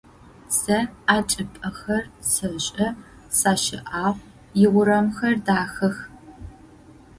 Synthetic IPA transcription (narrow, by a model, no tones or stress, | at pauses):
sɐaːt͡ʃʼɪpʼɐxɐrsɐɕʼɐ | saːʃɪ̰ʔaːʁʷ | jɪʁʷʊɾɐmxɐrdaːxɐx